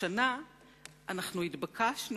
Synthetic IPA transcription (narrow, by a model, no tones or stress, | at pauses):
ana | ʔanaχnuit̪bakʰaʃn